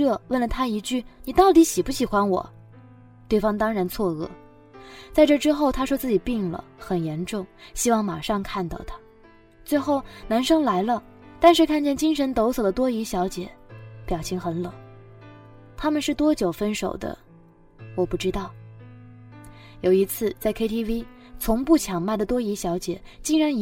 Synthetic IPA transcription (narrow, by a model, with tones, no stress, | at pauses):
ɤ˥˧wə˥˩nlə˩t̪ʰa˥i˧˥t͡ɕy˥˩ni˨˩t̪ɑ˥˩ʊt̪i˧˥ɕi˨˩pu˥˩ɕi˨˩xwa˥nwɔ̰˨˩˦ | t̪we˥˩ɪfɑ˥ŋt̪ɑ˥ŋɻa˧˥nt͡sʰwɔ˥˧ɤ̰˥˩ | t͡sa˥˧ɪʈ͡ʂɤ˥˩ʈ͡ʂɻ̩˥xo˥˩ʊt̪ʰa˥ʂwɔ˥t͡sɹ̩˥˩t͡ɕi˨˩pi˥˩ŋlə̰˩xə˨˩njɛ˧˥nʈ͡ʂʊ˥˩ŋɕi˥wɑ˥˩ŋma˨˩ʂɑ˥˧ŋkʰa˥˧nt̪ɑ˥˩ʊt̪ʰa˥ | t͡swe˥˧ɪxo˥˩ʊna˧˥nʂɤ˥ŋla˧˥ɪlə˧ | t̪a˥˧nʂɻ̩˥˧kʰa˥˧nt͡ɕjɛ˥˩nt͡ɕi˥ŋʂə˧˥nt̪o˧˥ʊswɔ˨˩d̪ə˦t̪wɔ˥i˧˥ɕjɑ˧˥ʊt͡ɕjɛ̰˨˩˦pjɑ˨˩ʊt͡ɕʰi˧˥ŋxə˧˥nlɤ˨˩˦ | t̪ʰa˥mə˨nʂɻ̩˥˩t̪wɔ˥t͡ɕjo˨˩ʊfə˥nʂo̰˨˩ʊd̪ə̰˦ | wɔ˨˩pu˥˩ʈ͡ʂɻ̩˥t̪ɑ˥˩ʊ | jo˨˩ʊi˧˥t͡sʰɹ̩˥˩t͡sa˥˩ɪkʰe˥ɪt̪ʰi˥wi˥ | t͡sʰʊ˧˥ŋpu˥˩t͡ɕʰjɑ˨˩ŋma˥˩d̪ə˩t̪wɔ˥i˧˥ɕjɑ˧˥ʊt͡ɕjɛ̰˨˩˦t͡ɕi˥˩ŋɻa˧˥n˧